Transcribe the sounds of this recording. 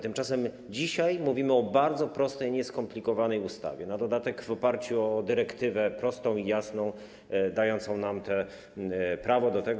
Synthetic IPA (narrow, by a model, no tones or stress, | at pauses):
t̪ɘmt͡ʂasɛm | d͡ʑiɕajmuvʲimɘɔbaɾd̪zɔpɾɔst̪ɛjɲɛskɔmplʲikɔvanɛjust̪a̰vʲjɛnad̪ɔd̪at̪ɛɡvɔpaɾt͡ɕuɔd̪ɘɾɛkt̪ɘvɛpɾɔst̪ɔ̃w̃ijasnɔ̃w̃ | d̪ajɔnt̪sɔ̃w̃namt̪ɛ | pɾavɔd̪ɔt̪ɛɡ